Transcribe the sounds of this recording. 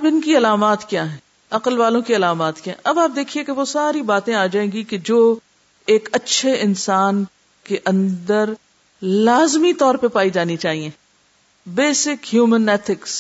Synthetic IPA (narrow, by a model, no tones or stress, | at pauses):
ɐbɪnkiɐlaːmaːt̪kjaːɦɛ̃ | ɐqəlʋaːlõkiɐlaːmaːt̪kjaɦʔɐbaːp̚d̪eːkʰiekeʋosaːɾibaːt̪ẽaːd͡ʒaːẽːɡiked͡ʒoː | eːkɐtːʃʰeɪnsaːn | keʔɐ̃nd̪əɾ | laːzmit̪ɔːɾpepaːid͡ʒaːnit͡ʃaːɦiẽː | beːsɪkhjuːmənɛːt̪ʰɪks